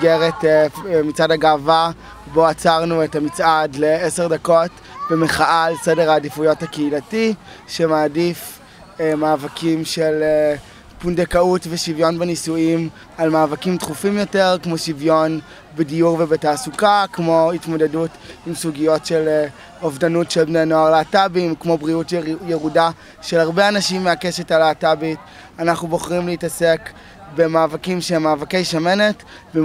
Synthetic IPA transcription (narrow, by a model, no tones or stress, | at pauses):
ɡeʁetmit͡sadaɡaːva | bo̞at͡saʁnuetamit͡sʔadleeseʁdako̞t | bemeχaʔalsedeʁaːdifujo̞thakeilati | ʃe̞maːdif | maːvakʰimʃele | pundekautveʃivjo̞nbenisuim | almaːvakimtχufimjo̞teʁkmo̞ʃivjo̞n | bedijuʁvebetaːsukakmo̞itmo̞de̞dutimsuɡijo̞tʃe̞l | ovdanutʃelbnejno̞aʁleatabimkmo̞bʁiutjeʁuda | ʃelaʁbeanaʃimːeakeʃetalaːtabit | anaχnubo̞χʁimleitase̞k | be̞maːvakimʃemaːvakejʃame̞ne̞t | ve